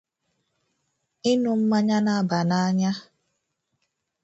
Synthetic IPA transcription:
ɪ˦nu˨m̩˦ma˦ɲa˦na˦ba˨na˦ɲa˦

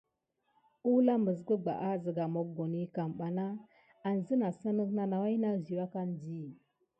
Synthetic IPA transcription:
u˦la˦mə˨z̬kə˦ɡ͡ba̰˨ʔa˦zə˨ɡa˨mo˨k̚ɡo˨ni˦ka˨mɓa˨na˦ | a˨n˨zə˦na˨sə˦nə˦kna˨na˨wa˦jna˦zi˨wa˦ka˦n˨di˦˨

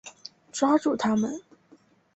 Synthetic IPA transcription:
ʈ͡ʂwa˥ʈ͡ʂu˥˩t̪ʰa˥mə˨n

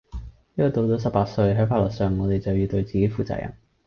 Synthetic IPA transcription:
jɔ˨˩t̪o˨˧wt̪o˨˥sɐ˨p̚aː˧t̚sɵ˧ɥɦɐ˨˥faː˧tlɔ˨˩ksœː˨˩ŋŋɔː˨˧t̪e˨jt͡sɐ˨wjyː˨˩t̪ɵ˧ɥt͡siː˨ke˨˥jfuː˨t͡sa̰ː˧˥jʔɐ̰˨˩n

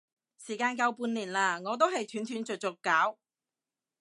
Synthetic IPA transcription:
siː˨˩kaː˧nkɐ˧wpuː˧nliː˨˩nlaː˧ŋɔː˨˧t̪̬o˥whɐ˨jt̪ʰyː˨˥nt̪ʰyː˨˧nt͡sɵ˨t̚t͡sʊ˨kːaː˨˥w

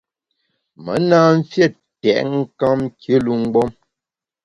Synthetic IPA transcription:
mə̰˨˦naː˦m̩˦fjɛ˦˨ | tɛ̰˨ʔŋ̩˦ka˦mkə˦lu˦ŋ̩˦ɡ͡bɔ˦m

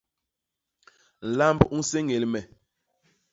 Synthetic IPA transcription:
n̩˨la˦mbu˦se˦ŋe˨lmɛ˨

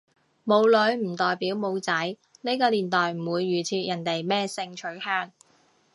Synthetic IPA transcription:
mo˨˧wlɵ˨˧ɥm̩˨˩t̪ɔː˨jpiː˨˥wmo˨˧wt͡sɐ˨˥j | ne˥jkɔː˧liː˨˩nt̪ɔː˨jm̩˨˩wuː˨˧jːyː˨˩t͡sʰiː˧t̚jɐ˨˩nt̪e˨˩jmɛː˥sɪ˧ŋt͡ʃʰɵ˨˥ɥhœː˥ŋ

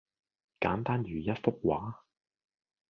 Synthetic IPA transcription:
kaː˨˥nt̪aː˥njyː˨jɐ˥t̚fʊ˥k̚waː˨˥

